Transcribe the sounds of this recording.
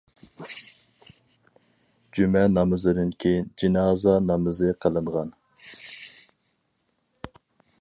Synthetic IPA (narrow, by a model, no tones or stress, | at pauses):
d͡ʒymɛnɑmɨzɨd̪ɨnkʲʰejind͡ʒinɑːzɑnɑmɨzɨqʰəlˠɨɴʁɑn